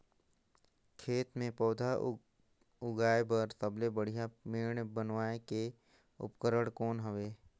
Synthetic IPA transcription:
kʰeːt̪mẽpɔːd̪ʱa | ʊɡaːebəɾsəblebəɽ̤ijameːɳ̃bənʋaːeke | ʊ̰pkəɾəɽkɔːnɦəʋeː

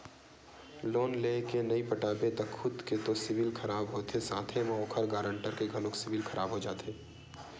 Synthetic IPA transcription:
loːnleːkenɐipəʈaːbet̪ɐkxʰʊd̪ket̪osɪʋɪlkʰɐɾaːbɦot̪ʰesãːt̪ʰemɐɦoːkʰəɾɡaːɾə̃ɳʈəɾkeɡʱɐlʊksɪʋɪlkʰɐɾʔaːbɦod͡ʒaːt̪ʰeː

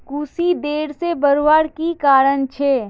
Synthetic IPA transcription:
kuːsid̪eːɽsebəɾʋaːɽkikaːɾənt͡ʃʰeː

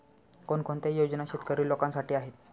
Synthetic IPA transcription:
konkʰont̪ejod͡ʑnaɕet̪kəɾiːlokãnsaʈiːaɦet̪

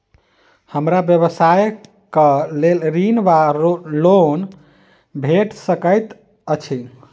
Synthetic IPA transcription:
həmɾabjəβəsaj | kəlelɾinbalon | bʱeʈsəkəjt̪ | ət͡ʃʰi

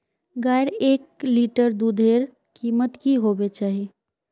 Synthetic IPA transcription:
ɡaːjɾeːk̚liːʈəɾd̪ud̪ʱeːɾ | kiːmət̪kiɦoːbet͡ʃaːɦie

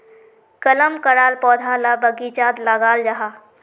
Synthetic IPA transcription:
kələmkəɾaːlpɔːd̪ʱalabəɡit͡ʃaːd̪ləɡaːld͡ʒaɦa

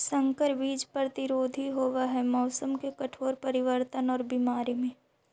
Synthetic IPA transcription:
sɐ̃ŋkəɾbiːd͡ʒpɾɐt̪ɪɾoːd̪ʱiɦoːwaɦɛmɔːsəmkekɐʈʰoːɾpɐɾɪʋəɾt̪ənɔːɾbimaːɾimẽː

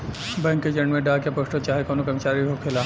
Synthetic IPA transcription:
bɛ̃ŋkːed͡ʒẽɳɖmẽɖaːkjapoʃʈot͡ʃaːɦekɔːnokɐmɪt͡ʃaːɾiiokʰelaː

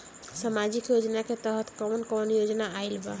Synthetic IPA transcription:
samad͡ʒikjod͡ʒnaket̪əɦət̪kɔwnkɔnjod͡ʒnaajlba

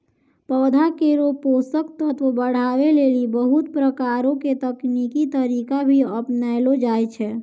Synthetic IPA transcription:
pɔːd̪ʱakeɾopoːsək̚t̪ət̪ʋəbəɽ̤aːweleːlibəɦut̪pɾəkaːɾõket̪əkniːkit̪əɾiːkabʱiəpnalod͡ʒaːjt͡ʃʰɛː

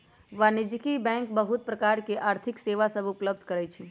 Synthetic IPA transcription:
ʋanɪd͡ʒkibɛ̃ːŋkbəɦʊt̪̚pɾəkaːɾkeʔaːɾt̪ʰɪkseːʋasəbʊpləbd̪ʱkəɾɛt͡ʃʰi

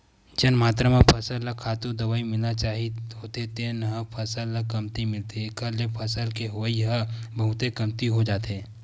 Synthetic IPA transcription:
d͡ʒənmaːt̪ɾəmẽpʰəsəlːɐkʰaːt̪ud̪ɐʋaːimɪlnat͡ʃaːɦiɦoːt̪et̪enɦəpʰəsəlːɐkɐmt̪imɪlt̪iekɐɾlepʰəsəlkeɦəiɦəbɐɦʊt̪ekɐmt̪iɦod͡ʒaːt̪eː

